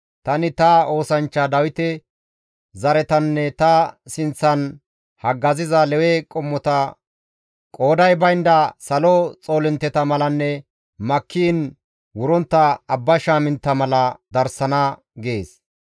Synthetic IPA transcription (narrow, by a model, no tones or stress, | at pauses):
t̪ɐnɪt̪ɐo̞ːsɐnt͡ʃːɐd̪ɐwɪt̪ɛ | zɐɾɛt̪ɐnːɛt̪ɐsɪnt͡sːɐn | hɐɡːɐzɪzɐlɛwɛkʼɔmːɔt̪ɐ | kʼo̞ːd̪ɐjbɐjnd̪ɐsɐlɔt͡sʼo̞ːlɪnt̪ːɛt̪ɐmɐlɐnːɛ | mɐkʰːiːn | wʊɾɔnt̪ːɐːbːɐʃaːmɪnt̪ːɐmɐlɐd̪ɐɾsɐnɐ | ɡeːs